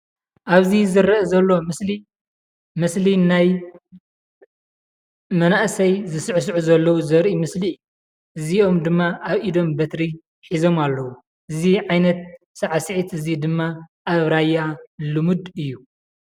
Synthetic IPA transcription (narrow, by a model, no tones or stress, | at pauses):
ʔaβzizɨɾɐʔɐzɐlːo̞li | mɨslinaj | mɐnaʔsɐjzɨsɨʕs̬ɨʕuzɐlːɐwuzɐɾʔimɨsliɨju | ʔɨzio̞md̪ɨmːaʔaβʔid̪o̞mbɐt̪ɾi | ħizo̞malːɐwu | ʔɨziʕajnɐt̪̚ | sɐʕasɨʕit̪ɨzid̪ɨmːaʔaβɾajːalɨmud̪ɨjːu